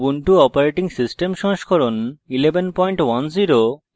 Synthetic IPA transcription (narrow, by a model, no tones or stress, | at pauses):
uɳʈuɔpaɾeʈiŋsisʈemʃɔ̃ʃkʰɔɾonilebenpɔjɳʈwanziɾo